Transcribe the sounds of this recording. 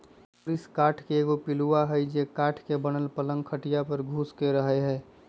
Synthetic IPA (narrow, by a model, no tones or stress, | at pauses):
oliskaːʈʰkeeːɡopɪluaɦəjd͡ʒekaːʈʰkebənəlpələŋɡkʰəʈijapəɾɡʱuskeɾəɦɛɦɛː